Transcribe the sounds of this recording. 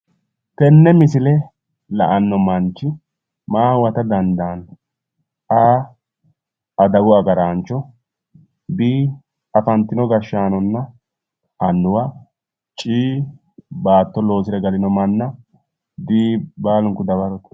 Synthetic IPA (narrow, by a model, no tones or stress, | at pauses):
t̪ɛnːɛmɪsɪlɛ | lɐʔɐnːɔmɐnt͡ʃːɪ | maːwɐt̪ɐd̪ɐnd̪aːn | ʔaː | ʔɐd̪ɐwʊɐɡɐɾaːnt͡ʃːɔ | biː | ɐfɐnt̪ːɪnɔɡɐʃaːnɔnːɐ | ɐnːʊwɐ | t͡ʃʼiː | baːt̪ːɔlo̞ːsɪɾɛɡɐlɪnɔmɐnːɐ | d̪iːbaːlʊŋkʊd̪ɐbɐɾɔt̪